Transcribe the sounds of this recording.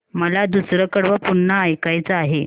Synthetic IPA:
məlad̪usɾəkəɽʋəpuɳːəːjkajt͡səaɦe

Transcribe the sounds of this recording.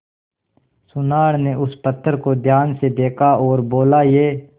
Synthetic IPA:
sʊnaːɽneʊspət̪ʰːəɾkod̪ʱjaːnsed̪eːkʰaɔːɾboːlajeː

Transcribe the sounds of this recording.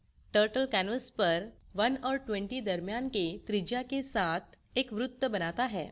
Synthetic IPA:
ʈəɾʈəlkænəspəɾʋənɔɾʈʋẽɳʈid̪əɾmjanket̪ɾid͡ʑakesat̪ʰekʋɾut̪ːəbənat̪aɦɛ̰

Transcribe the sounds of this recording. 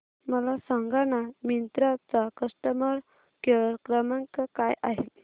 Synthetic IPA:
məlasaŋɡañamint̪ɾat͡sakəʂʈəmaɾ | kekɾəmaŋkəkajaɦe

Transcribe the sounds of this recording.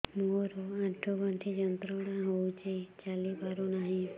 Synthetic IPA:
moɾoãʈʰobãt̪ʰid͡ʒənt̪ɾəɽãɦowt͡ʃʰet͡ʃalipaɾonaɦĩ

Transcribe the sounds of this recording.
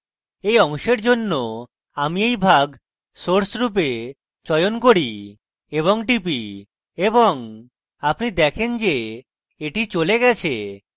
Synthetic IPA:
ejɔŋʃeɾd͡ʒonːo | amiejbʱaɡ | soɾsɾup̬e | t͡ʃɔjonkoɽi | eβoŋʈip̬i | eboŋ | apnid̪ɛkʰend͡ʑe | eʈit͡ɕoleɡɛt͡ɕʰe

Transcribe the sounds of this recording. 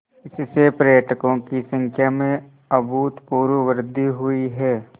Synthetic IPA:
ɪssepɾəjəʈʰkõkisə̃ŋkʰjamẽ | ɐbuːt̪puːɾəʋəɾd̪ʱiɦʊiɦɛː

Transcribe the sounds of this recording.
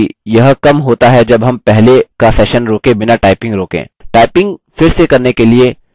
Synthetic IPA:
jɐɦkɐmɦoːt̪aɦɛd͡ʒɐbɦɐmpɛɦlekasɛːʃənɾoːkẽbɪnaʈaːɪpɪ̃ŋɡɾoːkḛ̃ːʈaːɪpɪ̃ŋɡfɪɾsekɐɾnekelie

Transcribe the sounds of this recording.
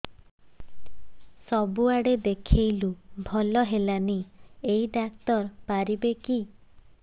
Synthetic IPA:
sɔbuaɽed̪ekʰejlubʱɔlɔɦelaniejɖak̚t̪ɔɾpaɾibeki

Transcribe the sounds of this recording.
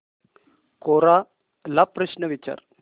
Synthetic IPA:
koːɾaː | lapɾɐʃnɐʋit͡ʃa̰ːɾ

